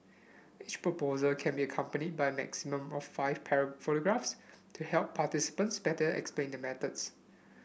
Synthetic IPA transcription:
it͡ʃpɹɔpozəlkʰɛ̃nbiəkʰãmpənid̚bajəmɛ̰ksimə̃mɔffaɪvpʰɛɹfotoɡɹafs | tʰuhɛlpʰːatisi̥pə̃ntsbɛtəɛ̰ksplẽndəmɛt̪əds

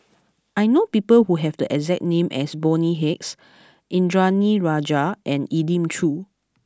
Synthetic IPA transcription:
ʔajnopipəlhuɦɛvdəʔɛk̚zɛk̚nẽmʔɛ̰sbɔniɦɛks | ʔĩndɹaniɹad͡ʒaʔɛ̃nidĩmt͡ʃʰu

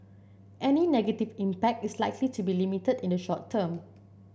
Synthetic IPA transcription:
ʔɛninɛɡətivĩmpɛk̚tislaɪkʰlitubilimitədĩndəʃɔtʰːə̃m

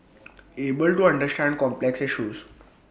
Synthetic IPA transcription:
ebəlʈuɐ̃ɳɖəɾsʈæ̃ɳɖkɔ̃mpleksiʃuːz

